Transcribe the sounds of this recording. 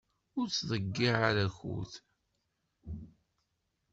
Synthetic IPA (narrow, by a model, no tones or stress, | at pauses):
ʊɾt͡sːðəɡːiʕaɾæçṵθ